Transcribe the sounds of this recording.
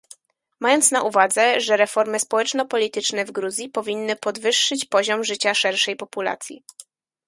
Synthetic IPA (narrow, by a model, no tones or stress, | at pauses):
majɔnt̪snaʔuvad̪zɛʐɛɾɛfɔɾmɘspɔwɛt͡ʂnɔpɔlʲit̪ɘt͡ʂnɛvɡɾuzʲjipɔvʲinːɘpɔd̪vɘʂːɘt͡ɕpɔʑɔmʐɘt͡ɕaʂɛɾʂɛjpɔpula̰t̪sʲjḭ